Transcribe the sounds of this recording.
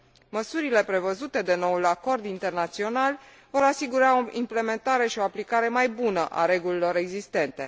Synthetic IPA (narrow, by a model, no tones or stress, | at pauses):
məsuɾile̞pɾe̞vəzut̪e̞d̪e̞no̞ulako̞rd̪int̪e̞rnat̪sio̞nal | vo̞ɾasiɡuɾao̞ʔimple̞me̞nt̪aɾe̞ʃio̞aplikaɾe̞majbunəʔa̰ɾe̞ɡulilo̞ɾe̞ɡzist̪e̞nt̪e̞